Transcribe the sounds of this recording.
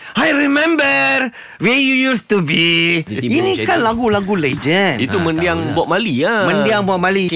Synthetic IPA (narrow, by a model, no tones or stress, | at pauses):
ajɾimɛ̃mbə | wɛjujustubiinĩkanlaɡulaɡuled͡ʒə̃nit̪umə̃ndiaŋbuaʔ̚maliamə̃ndiaŋbuaʔ̚mali